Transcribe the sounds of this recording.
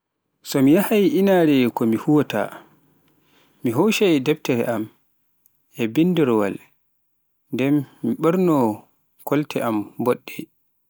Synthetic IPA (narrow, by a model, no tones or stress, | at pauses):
sɔmijahajʔinaɾɛkɔmihuwɔta̰ | miɦowʃadɛbtɛɾɛʔam | ɛbindiɾɔwa̰l | ndɛmːiɓəɾnɔ | kɔltɛʔambɔɗːɛ